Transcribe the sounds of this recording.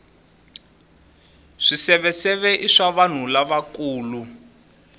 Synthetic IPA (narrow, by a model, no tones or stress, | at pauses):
ʂisɛβɛsɛβɛʔiʂaβan̤ulaβakuːlu